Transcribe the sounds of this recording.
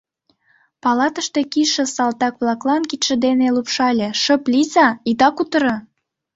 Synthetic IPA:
pɑlɑt̪əʃt̪e̽kiʃə̆sɑlt̪ɑkβlɑklɑnkit̪ʃə̆d̪enelupʃɑlʲeʃə̆plʲizɑid̪ɑkut̪ə̆ɾɤ̆

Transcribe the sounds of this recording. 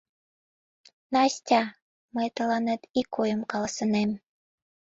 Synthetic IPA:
nɑsʲtʲɑ | məjt̪əlɑnet̪ikːojəmkɑlɑsə̆nem

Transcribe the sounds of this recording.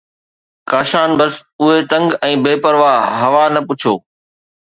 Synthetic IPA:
kaːʃaːnbəsʊɦet̪ɐ̃ŋɡɛ̃ːbeːpəɾʋaːɦɐʋaːnɐpʊt͡ʃʰoː

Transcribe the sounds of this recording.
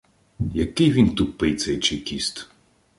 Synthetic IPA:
jɐkɪjʋʲint̪upɪjt̪sɛjt͡ʃɪjkʲist̪

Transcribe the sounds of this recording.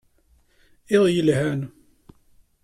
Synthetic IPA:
ɪðˤjəlhæn

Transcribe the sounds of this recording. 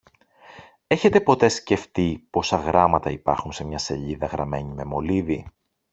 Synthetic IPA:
e̞çe̞t̪e̞po̞t̪e̞sce̞ft̪ipo̞sɐɣɾɐmɐt̪ɐipɐ̰ɾxunse̞mɲɐse̞ʎiðɐɣɾɐme̞ɲime̞moliði

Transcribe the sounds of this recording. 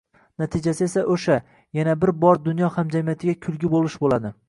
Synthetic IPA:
nat̪ʰɪd͡ʒasɪe̞saʔoʃa | janabɪɾbɒɾd̪ʊnjɒhamd͡ʒamijat̪ʰɪɡʲakʲʰʊlˠɡʲɪbolɪʃbolad̪ɪ

